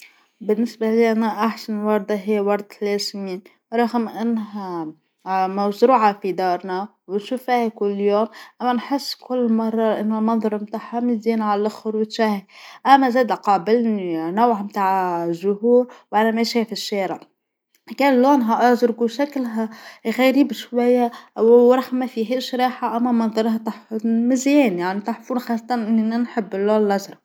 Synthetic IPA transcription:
bɪnːɪsbaliʔanaʔaħsanwɑɾˤd̪ˤɑɦiːwɑɾˤd̪ˤleːzmiːn | ɾˤɑɣmʔɪnːɦa | mawzɾuːʕafid̪ɑːɾˤna | wɪʃuːfihkʊlːjoːmʔamːanħɪsːkʊlːmɑrˤːɑlʔɪnːolmɑnðˤɑɾˤmt̪aːħhamɪziːnaʕalʔaxʊɾwɪt̪ʃahɪʔamːazaːd̪qɑːbɪlninawʕamt̪aːʕʒʊhuːɾwʔanamæʃeːfɪʃːeːɾɪʕ | kæːnlːoːnɦaʔɑzɾɡuʃaklɦaɣaɾiːbʃwajːawɾˤɑħmafiɦeʃɾɑːħaʔamːamɑnðˤɑɾˤhat̪aħmɪzjeːnjaʕnit̪aħfuːnxɑːsˤːɑt̪ɑnʔɪnːnanħɪbːɪlːoːnlɑzɾˤɑ

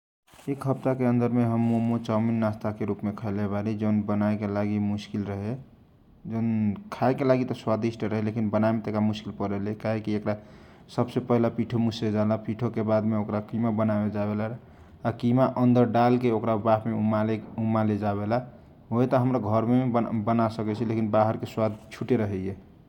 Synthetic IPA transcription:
ekɦəp̚t̪akeənd̪əɾmeɦəmːomut͡ʃaminːast̪ʰakeɾupmekʰəɪlebalid͡ʒəʊnbənaekelaɡimuskilɾəɦe | d͡ʒəʊnkʰaekelaɡit̪ɔswad̪isʈɾəɦɛlekinbənaemet̪əekɾamuskilpəɾelekaɦekiekɾa | səbsepəɦilapiʈʰomused͡ʒalapiʈʰokebad̪meokɾakimabənabed͡ʒabelaː | kimaʔənd̪əɾɖalkeokɾabapmeumaleumaled͡ʒaβela | ojt̪ɔɦəmɾaɡʱəɾmeebənasəkɛt͡ʃʰɛlekinbaɦəɾkeswad̪ʱt͡ʃʰuʈeɾəɦɛjɛ

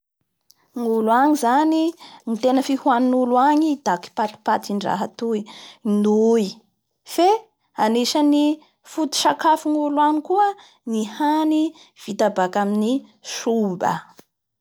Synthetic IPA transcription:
ŋuluaɲizaninit̪enəfihuaninuluaɲid̪̥aki̥pat̪i̥pat̪iɳɖ͡ʐa̰ɦat̪ujnuj | fe | aniʃəni | fut̪i̥ʃakafiŋuluanikuə | nihani | v̥it̪abakamini | ʃumbə̰

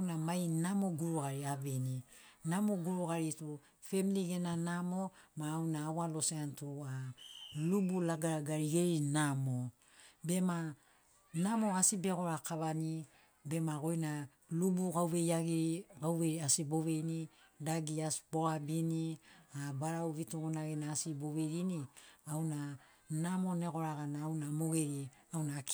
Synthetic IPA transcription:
namajnamoɡuɾuɡaɾiaβeninamoɡuɾuɡaɾitu | fe̞miliɡenanamo̞maːwnaːwalo̞seantualubulaɡaɾaɡaɾiɡeɾinamo | be̞ma | namo̞asibe̞ɡo̞ɾakaβani | be̞maɡo̞jna | lubuɡawβe̞jaɡiɾiɡawβeɾiasibo̞βe̞jni | daɡiasbo̞abiniabaɾawvituɡunaɡenaːsibo̞βe̞ɾiniawna | namo̞ne̞ɡo̞ɾaɡanaːwnamo̞ɡeɾi | awnak

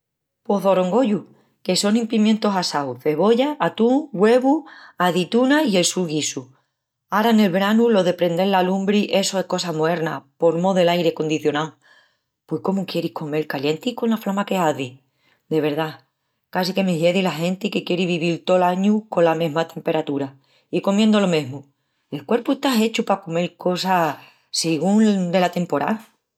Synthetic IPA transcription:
po̞ðo̞ɾo̞ŋɡo̞ʎu | ke̞so̞nĩmpimjẽnt̪o̞sasawθe̞βo̞ʝaːt̪uŋɡwe̞βuaðit̪unaie̞lsulɣisu | aɾane̞lβɾanulo̞ðe̞pɾe̞nd̪e̞lːalumbɾiʔe̞so̞e̞hko̞samoe̞ɾnapo̞ɾmo̞ðe̞lajɾe̞ko̞nd̪iθjo̞naw | pwe̞hko̞mukje̞ɾihko̞me̞lkalje̞nt̪iko̞nlaflamake̞aði | d̪e̞β̞e̞ɾða | kasike̞meɦje̞ðilaɦẽ̞nt̪ikekje̞ɾiβiβilt̪o̞laɲuko̞lamẽ̞ɦmat̪ʰe̞mpe̞ɾat̪uɾa | iko̞mjend̪o̞lo̞me̞ɦmu | e̞lkwe̞ɾpueht̪aɦe̞t͡ʃupakome̞lko̞sa | seɣ̞und̪e̞lat̪e̞mpo̞ɾa̰l

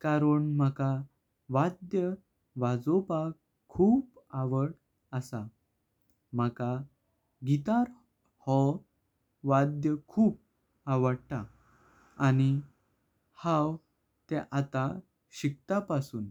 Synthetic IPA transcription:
kaɾəɳməka | ʋad̪jə | ʋad͡zopakʰː | uːpaʋəʈ | əsa | m̤aka | ɡit̪aɾ | hɔ | ʋad̪jəkʰuːp̚ | aʋəɽt̪aː | ñi | hãw | t̪eʔat̪a | ɕik̚t̪apasuːn

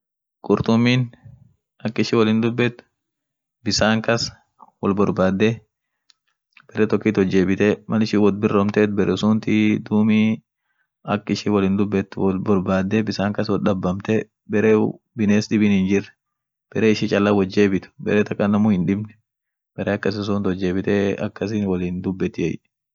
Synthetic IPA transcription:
kʼʊɾt̪ʊmːiːn | ɐkːɪʃɪwɐlɪnd̪ʊbːɛt̪ | bɪsaːŋkɐs | wɐlbɔɾbaːd̪ːe | b̥ɛɾɛt̪ɔkːiːt̪hɔd͡ʒːe̞ːbɪt̪ɛmɐlɪʃɪwɔd̪̚bɪrɔmt̪eːt̪bɛɾɛsʊnt̪id̪uːmi | ɐkːɪʃɪwɐlɪːnd̪ʊbːɛt̪lbɔɾbaːd̪ːɛbɪsaːŋkɐswɔlᶑ̪ɐbːɐmt̪ɛ | bɛɾeː | bɪneːsɗɪbɪnhɪnd͡ʒɪrːɛ̥ | b̥ɛɾeːɪʃɪt͡ʃʼɐlːɐwɐd͡ʒːe̞ːbɪt̪ʊ̥bɛ̰ɾeːt̪ɐkʼːɐnːɐmʊhɪnᶑɪbnɛ̥ | b̥ɛɾeːɐkːɐsɪs̬ʊːnt̪hɔd͡ʒːe̞ːbɪt̪eɐ̰kːɐs̬ɪnwɐliːnd̪ʊbːɛt̪ːɪɛ̰j

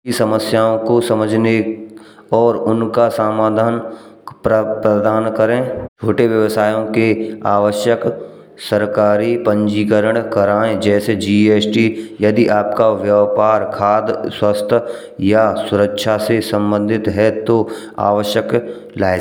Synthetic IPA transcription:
isɐməsjaːõkosɐməd͡ʒʱne | ɔːɾʊnkasaːmaːd̪ʱaːn | pɾəd̪aːnkəɾẽt͡ʃʰoːʈeʋjəʋəsaːjõkeaːʋəʃjək | səɾkaːɾipə̃ɲd͡ʒiːkəɾəɽ̃kɐɾaːẽd͡ʒɛːsed͡ʒiːeːsʈijɐd̪iʔaːpkaʋjəʋpaːɾkʰaːd̪swəst̪ʰ | jasʊɾəkʃʰasesə̃mbə̃nd̪ʱɪt̪ɦɛt̪o | a̰ːʋəʃjək | laːɪ

